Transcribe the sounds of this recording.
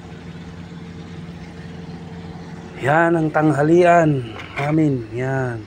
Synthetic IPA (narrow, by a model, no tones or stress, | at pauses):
janaŋt̪aŋɦalianaminjan